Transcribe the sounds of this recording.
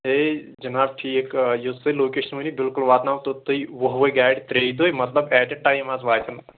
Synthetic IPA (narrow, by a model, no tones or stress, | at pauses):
ed͡ʒɐnaːb̚ʈʰiekjosɐloːkeːʃənmɐnibɪlkʊlʋaːt̪naːʋt̪ot̪oiʋɐɦʋojɡaːɖt̪ɾeːid̪oːjmɐt̪lɐbɛːʈeʈaːjmaːsʋaːjt̪ʰɐn